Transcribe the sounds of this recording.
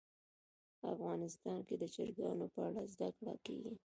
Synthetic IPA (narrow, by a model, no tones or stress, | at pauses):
afɣɑnɪst̪ɑnked̪ət͡ʃeɾɡɑnopəaɽazd̪akɽa̰keɡi